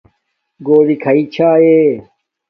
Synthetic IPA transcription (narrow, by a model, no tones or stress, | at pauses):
ɡoːlikʰɐit͡ɕʰaːe